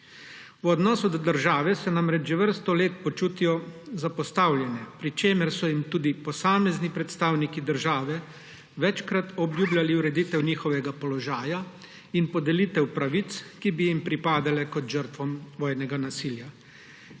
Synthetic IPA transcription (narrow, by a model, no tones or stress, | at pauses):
wɔd̪nɔːsud̪d̪əɾʒaːʋɛsɛnamɾɛd͡ʒʒɛʋəɾst̪ɔleːt̪̚pɔt͡ʃuːt̪ijɔzapɔst̪awljɛnɛpɾit͡ʃeːmɛɾsɔjimt̪uːd̪ipɔsaːmɛznipɾɛt̪st̪aːwnikid̪əɾʒaːʋɛ | ʋɛt͡ʃkɾat̪ɔbljuːbljaliuɾɛd̪iːt̪ɛwniːxɔʋɛɡapɔlɔʒaːja | inpɔd̪ɛlit̪ɛwpɾaʋit̪skibijimpɾipaːd̪alɛkɔt̪ʒəɾt̪ʋɔmʋɔːjnɛɡanasilja